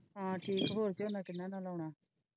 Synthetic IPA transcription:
ɦãʈʰiːkɦoɾt͡ɕenakinanalawɳa

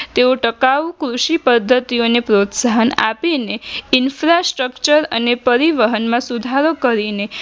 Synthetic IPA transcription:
t̪eoʈəkaʋukɾuʃipəd̪ʱːət̪ionepɾot̪saɦəna̰pineɪnfɾasʈɾəkt͡ʃəɾə̰nepəɾiʋəɦənmãsud̪ʱaɾokəɾine

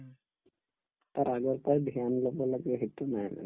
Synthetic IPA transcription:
t̪aɾaɡɔɹpɔjbʱianlɔbɔlaɡɛɦit̪ːunajna̰

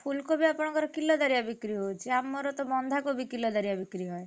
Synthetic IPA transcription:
pʰulkobʱiapɔɽ̃ɔ̃kɔɾɔkilːɔd̪aɾijabikɾiɦot͡ʃʰiamːɔɾɔt̪ɔbɔnd̪ʱakobʱikilːɔd̪aɾijabikɾiɦɔe

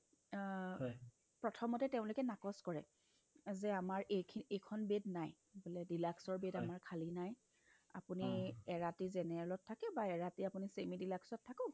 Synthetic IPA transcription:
pɹɔtʰɔmɔtɛteʊ̃lokɛnakɔskɔɹɛ̰ | zɛamaɹʔekʰiekʰɔnbednaj | bolɛdilaksɔɹbedamaɹkʰalinaj | a̰puniɛɹatizɛnɛɹɛlɔtʰːakɛbaɛɹatiapunisemidilaksɔtʰːakɔ̃

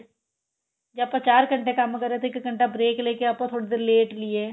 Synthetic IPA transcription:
d͡ʒaːpɐt͡ʃaːɾkə̃ɳʈekɐmkəɾːet̪ʰeɪkkə̃ɳʈabɾeːkleːkeaːpõt̪ʰoːɽed̪eːɾleːʈlie

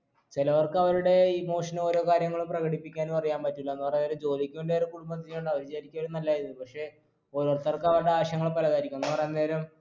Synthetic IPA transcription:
t͡ɕilɐʋɐrkɨɐʋɐɾuɽe̞iːmoːʂɐno̞ːɾo̞ːkaːɾjɐŋːɐɭumprɐɣɐɽipːikʲːaːnupɐrɐjaːnpɐtːulːɐenːupɐrɐjːnːeːɾɐmd͡ʑo̞ːlikʲːuɳɖerɨkuɽumbɐt̪ːinjoɳɖɐʋɐɾit͡ɕaːɾikʲːɐʋɐɾumnɐlːaːjiɾunuːðɨpɐkʂe̞ | o̞ːɾoːrt̪ːɐrkɨɐʋɐɾuɽeaːɕjɐŋːɐɭpɐlɐɣaːɾikʲːumenːɨpɐrɐjnːɐneːɾɐm

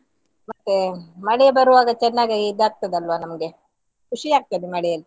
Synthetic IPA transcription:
mɐt̪ːemɐɽɛjɐbɐɾuʋaːɡɐt͡ʃɛnːaːɡaɡeid̪ːaːk̚t̪ːɐd̪ɐlʋaːnɐmɐɡe | kʰuʂijaːk̚t̪ɐd̪umɐɽɛjɐl

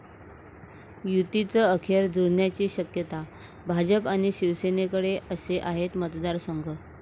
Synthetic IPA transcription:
jut̪it͡səəkʰjəɾd͡zuɽɳjat͡ɕiːɕəkjət̪a | bʱad͡ʑəpaɽ̃iɕiʋsenekəɽeʔəseʔaɦet̪mət̪d̪aɾsəŋɡʱə

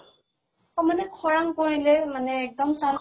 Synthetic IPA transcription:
ɔmanɛkʰɔɹaŋkoɹilɛmanɛːk̚dɔmsan

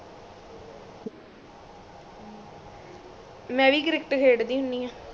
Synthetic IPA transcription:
mɛ̃ːʋiːkɾɪk̚ʈkʰeːɽd̪iːɦʊniːɦaː

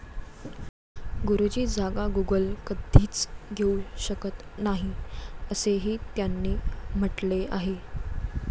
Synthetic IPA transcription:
ɡuɾud͡ʑiːd͡zʱaɡaɡuɡəlkəd̪ʱiːt͡sɡʱeuɕəkət̪naɦiəseɦiːt̪janːiːm̤əʈlea̰ɦe

